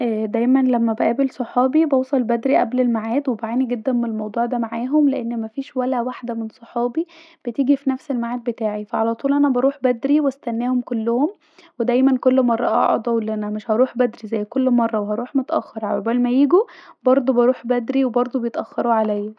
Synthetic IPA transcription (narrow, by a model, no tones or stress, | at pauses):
ʔæːd̪æjmænlæmːæbæʔæːbelsˤoħɑːbibɑwsˤɑlbæd̪ɾiʔæblelmaʕaːd̪webaʕaːniɡed̪ːænmenelmɑwd̪ˤuːʕd̪æmaʕaːɦomleʔenːmæfiːʃwælæwaħd̪æmensˤoħɑːbi | b̥et̪iːɡifinæfselmaʕaːd̪̚bet̪aːʕifæʕalæt̪ˤuːlʔænæbɑɾˤuːħbæd̪ɾiwæst̪ænːæːhomkolːohom | wed̪æjmænkolːmɑrˤːɑʔɑ̰ʕɑ̰d̪ˤɑwelːæʔænæmeʃhɑɾˤuːħbæd̪ɾizæjːkolːmɑrˤːɑwehɑɾuːħmot̪ʔæ̰xːɑɾˤhawæbælmæjiːɡubɑɾˤd̪ˤobɑɾˤuːħbæd̪ɾiwebɑɾˤd̪ˤobejet̪ʔæxːɑɾˤuʕalæjːæ